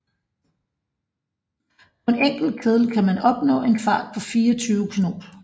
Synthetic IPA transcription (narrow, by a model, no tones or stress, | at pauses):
pʰɒ̽e̝neŋ̰ɡ̥l̩d̥̚kʰeðˠl̩kʰæmænɒ̽b̥nɔ̰̽ːe̝nfɑ̰̈ːd̥̚pʰɒ̽fiːɐɒt͡sʰyːʊəkʰino̝̰ːd̥